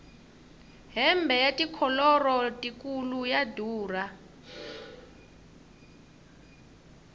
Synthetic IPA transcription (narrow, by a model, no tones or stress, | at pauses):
ɦɛmbʱɛjatʼikʰɔlɔrɔtʼik̬ʼulujadʱuːra